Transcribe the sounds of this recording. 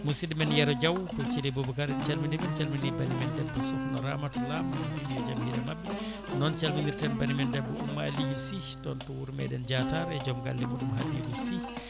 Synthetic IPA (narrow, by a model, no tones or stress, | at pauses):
musiɗimɛnjɛɾɔd͡ʒawtɔt͡ʃilibubukaɾɛnt͡ʃalmindɛbɛnt͡ʃɛlmindibanimɛndɛbːisuknɔɾamatlamaumiɛd͡ʒamhiɾɛmabːi | nɔnt͡ʃalmiŋiɾtɛnbanimɛndɛbːuʔumːa̰lijusi | tɔntɔwuɾmɛ̰ɗɛnd͡ʒataɾɛd͡ʒɔmɡa̰lːimɔɗumɦadiɡusi